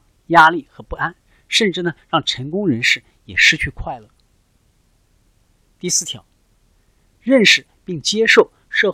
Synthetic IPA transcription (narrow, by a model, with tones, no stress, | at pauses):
ja˥li˥˩xɤ˧˥pu˥˩a˥n | ʂə˥˧nʈ͡ʂɻ̩˥˩nə˩ɻɑ˥˩ŋʈ͡ʂʰə˧˥nkʊ˥ŋɻə˧˥nʂɻ̩˥˩ | jɛ̰˨˩ʂɻ̩˥t͡ɕʰy˥˧kʰwa˥˩ɪlə˨˩ | t̪i˥˧sɹ̩˥˩t̪ʰjɑ̰˨˧˥ʊ | ɻə˥˩nʂɻ̩˥˩pi˥˩ŋt͡ɕjɛ˥ʂo˥˩ʊ | ʂɤ˥˧